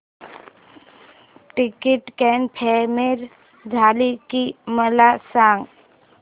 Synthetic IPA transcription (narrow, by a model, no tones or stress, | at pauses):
ʈɪkɪʈkɛːnpʰɛːmeɾ | d̪ʱaːlikiməlasãːŋɡ